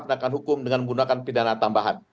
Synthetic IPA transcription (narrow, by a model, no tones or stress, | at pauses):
pnakanɦukʊmdəŋanməɡunakanpidanat̪ambaɦa̰n